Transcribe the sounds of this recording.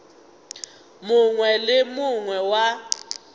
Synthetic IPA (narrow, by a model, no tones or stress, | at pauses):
muŋwɛlɪmuŋwɛwa